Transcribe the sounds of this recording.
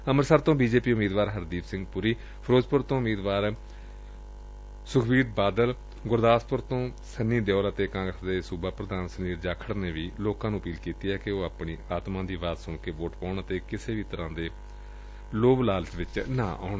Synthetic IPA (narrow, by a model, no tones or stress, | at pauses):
əməɾsaːɾt̪õːbiːd͡ʒeːpiːʊmiːd̪ʋaːɾɦəɾd̪iːpsɪ̃ŋɡpʊɾiː | pʰəɾoːd͡ʒpʊɾt̪õːʊmiːd̪ʋaːɾ | sʊkʰbiːʈ̚baːd̪əl | ɡʊɾd̪aːspʊɾt̪õː | sənːiːd̪eɔːɾət̪eːkãːŋɡɾəsd̪eːsuːbaːpɾəd̪aːnsəniːɾd͡ʒaːkʰəɽneːʋiːloːkãːnũːəpiːlkiːt̪iːɛːkɪoːaːpɳiːaːt̪mãːd̪iːʋaːt̪sʊɳkeːʋoːʈpɔ̃ːɳət̪eːkɪseːʋiːt̪əɾãːd̪eː | loːblaːlt͡ʃʋɪt͡ʃnã̰ːʔa̰ːɳ